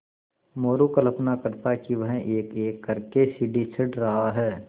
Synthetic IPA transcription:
moːɾukɐlɐpnakɐɾt̪akiʋɐɦeːkeːkːɐɾkesiːɖit͡ʃʰɪɖɾɐɦaɦɛː

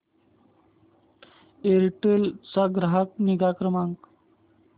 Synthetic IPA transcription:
eɾʈelt͡saɡɾaɦak̚niɡakɾəmaŋk

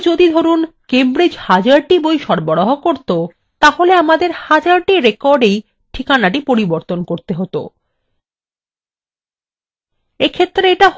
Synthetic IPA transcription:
d͡ʑod̪id̪ʱoɾunkembɾed͡ʑhad͡ʑaɾʈibojʃɔɾboɽɔɦokoɾt̪o | t̪aholeamad̪eɾhad͡ʑaɾʈiɾekɔɾɖej | ʈʰikanaʈipoɾiboɾt̪onkoɾt̪eɦot̪o̰ | ekʰet̪ːɾeeʈa

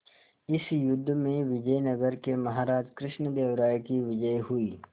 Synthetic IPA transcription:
ɪsjʊd̪ʱːmẽʋɪd͡ʒəjnɐɡəɾkemɐɦaːɾaːd͡ʒkɾɪʃnəd̪eːʋɾaːjkiʋɪd͡ʒəjɦʊiː

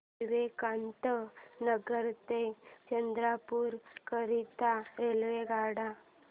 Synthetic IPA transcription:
iʋekant̪ənəɡəɾt̪et͡ʃənd̪ɾapuɾkəɾit̪aɾelʋeɡaɽa

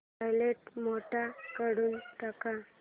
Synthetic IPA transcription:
ajleʈmoʈakəɽuːnʈəka

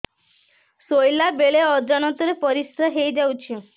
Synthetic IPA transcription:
sojlabeɭeɔd͡ʒɔñɔt̪ɔɾepɔɾisɾaɦejd͡ʒawt͡ʃʰi

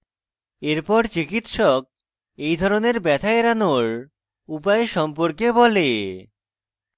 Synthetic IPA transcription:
eɾpɔɾt͡ɕikit̪ʃɔk̚ | ejd̪ʱɔɾoneɾbɛt̪ʰaeɾanoɾ | upaeʃɔmpoɾkebɔle

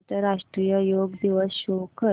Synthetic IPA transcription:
t̪əɾaʂʈɾijəjoːɡd̪iʋəsɕokə

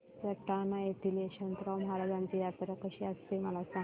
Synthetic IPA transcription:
əʈanaet̪ileɕənt̪ɾawməɦaɾad͡ʑãnt͡ɕ̪ijat̪əɾəkəɕiast̪eməlasa

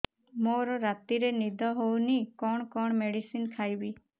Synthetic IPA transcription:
moɾɔɾat̪iɾenid̪ʱɔɦownikɔɳ̃kɔɳ̃meɽisinkʰajbi

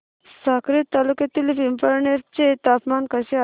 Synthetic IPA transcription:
saːkɾit̪ːaːluket̪ilipimpɐɾneɾt͡ʃet̪aːpmaːnkɐse

